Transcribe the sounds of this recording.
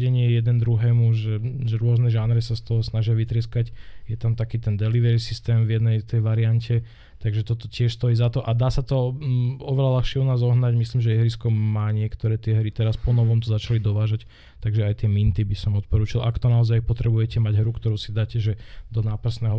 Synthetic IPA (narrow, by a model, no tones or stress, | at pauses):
ɛɲɪɛjɛd̪ɛnd̪ɾuɦɛːmuʒɛʒɛɾʊɔznɛʒanɾɛsast̪ɔɦɔsnaʒɪaʋit̪ɾɪɛskacjɛt̪amt̪akiːt̪ɛnd̪ɛliʋɛɾisist̪ɛːmvjɛd̪nɛjt̪ɛjʋaɾiancʰɛ | t̪aɡʒɛt̪ɔt̪ɔcɪɛʃst̪ɔjiːzat̪ɔʔad̪aːsat̪ɔɔʋɛlalaxʃɪɛunaːzɔɦnaɟmisliːmʒɛɛɦɾiskɔmaːɲɪɛkt̪ɔɾɛːt̪ɪɛɦɾit̪ɛɾaspɔnɔʋɔmt̪ɔzat͡ʃalid̪ɔʋaːʒac | t̪aɡʒɛajt̪ɪɛmint̪ibisɔmɔt̪̚pɔɾuːt͡ʃilakt̪ɔnaɔzajpɔt̪ɾɛbujɛcɛmaɟɦɾukt̪ɔɾuːsid̪aːcɛʒɛd̪ɔnaːpr̩snɛːɦɔ